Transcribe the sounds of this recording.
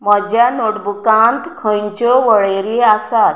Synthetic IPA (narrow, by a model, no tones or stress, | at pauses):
məd͡ʑjanoɽbukãnt̪kʰə̃jɲt͡ɕɔʋəɭeɾiasat̪